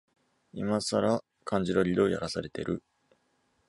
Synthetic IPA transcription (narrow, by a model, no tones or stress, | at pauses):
imasaɾa | kʰãɲ̟d͡ʑiɾo̞ɾʲid̪o̞ːja̰ɾasaɾe̞t̪e̞̰ɾɯ̟